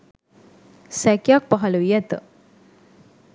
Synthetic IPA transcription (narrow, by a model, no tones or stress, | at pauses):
sækjak̚paɦaləʋijæt̪ə